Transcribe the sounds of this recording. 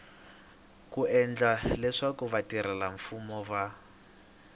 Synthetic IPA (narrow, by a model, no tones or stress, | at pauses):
kuɛnd͡ɮalɛʂakuβatiɾɛlaɱfumɔva